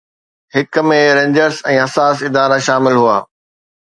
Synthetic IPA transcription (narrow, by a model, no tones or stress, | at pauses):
hɪk̆mẽɾẽːɲd͡ʑəɾzɛ̃ːɦɐsaːsɪd̪aːɾaʃaːmɪlɦuaː